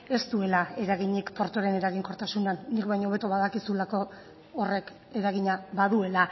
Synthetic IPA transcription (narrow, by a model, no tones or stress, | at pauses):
e̞st̪ue̞lae̞ɾaɣiɲikpo̞ɾt̪oɾe̞ne̞ɾaɣiŋko̞ɾt̪asunanːikβajɲoβ̞e̞t̪oβaðakisulako̞ː | re̞k | e̞ɾaɣ̞iɲaβaðue̞la